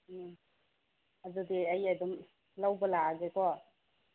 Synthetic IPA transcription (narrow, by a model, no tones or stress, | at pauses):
adudiɐjadum | lawbəlaaɡekɔ